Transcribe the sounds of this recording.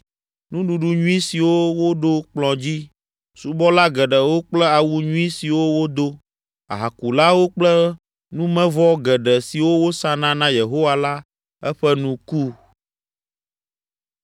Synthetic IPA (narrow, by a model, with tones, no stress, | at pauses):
nũ˦ɖu˨ɖu˦ɲũ˦ĩ˦si˨wo˦wo˦ɖo˦k͡plɔ̃˨d͡ʑi˦ | su˨bɔ˦la˦ɡɛ˨ɖɛ˨wo˦k͡plɛ˦a˨wu˦ɲũ˦i˦si˨wo˦wo˦d̪o˦ | a˨ɦa˨ku˨la˦wo˦k͡plɛ˦ | nũ˦mɛ̃˦vɔ˦ɡɛ˨ɖɛ˨si˨wo˦wo˦sã˦nã˦nã˦je˨ɦo˦wa˦la˦ | ɛ˦ɸɛ˦nũ˦ku˦